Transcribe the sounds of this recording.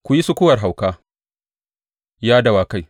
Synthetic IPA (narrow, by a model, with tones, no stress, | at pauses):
kʷʊ˨ji˦sʊ˦kʷʊ˦wɐ˨rɦa˨wkaː˦ | jaː˦dɐ˨waː˨ka˦j